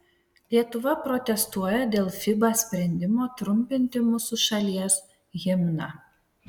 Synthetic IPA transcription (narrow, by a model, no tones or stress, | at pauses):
lʲiɛt̪ʊʋɐpɾɔt̪ʲɛst̪uɔjɛd̪ʲeːlˠfʲɪbɑsʲpʲɾʲɛnʲd̪ʲɪmoːt̪ɾʊmʲpʲɪnʲt̪ʲɪmʊsʊʃɐlʲiɛs | ɣʲɪmʲnɐ